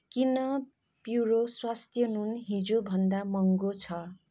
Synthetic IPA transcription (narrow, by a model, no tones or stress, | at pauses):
kinʌ | pjuɾoswast̪ʰjʌnunɦĩd͡zobʱʌnd̪amʌŋɡot͡sʰʌ